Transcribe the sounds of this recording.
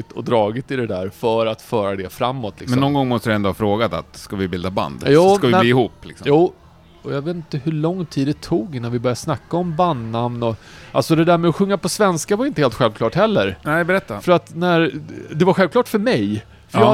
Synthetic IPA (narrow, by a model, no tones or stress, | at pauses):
ɪt̪ʰɔd̪ɾɑːɡɪt̪ɪd̪ɛd̪æːɾfœɾat̪fœːɾad̪ɛfɾamːɔt̪ʰlɪkmsɛnːɔnɡɔŋːmɔst̪əɾɛnd̪ohafɾoːɡat̪a̰t̪skavɪbɪld̪aba̰nd̪jɑːskavɪiːɪhuːplɪksɔjuː | ɔjaveːt̪nt̪əhɵɭɔŋːt̪ʰiːd̪ːɛt̪ʰuːɡɪnːanvɪbœɾjaʂnakːaɔmband̪namnɔʔalsɔd̪ɛd̪æːɾmɛɔɧɵŋːapɔsvɛnskavaɾʏɪnt̪əheːlt̪ɧɛlvkʰlɑːʈhɛlːəɾnɛɪbɛɾɛt̪ːafœɾat̪næɾd̪ɛvaɾɧɛlvklɑːʈfœɾmɛj | fœɾjɑ